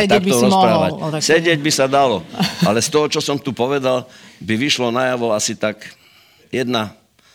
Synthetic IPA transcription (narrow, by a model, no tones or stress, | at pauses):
t̪kt̪ɔɾɔspɾaːʋasɛɟɪɛɟbisad̪alɔalɛst̪ɔɦɔt͡ʃɔsɔmt̪upɔʋɛd̪albiʋiʃlɔnajaʋɔasit̪ak | jɛd̪na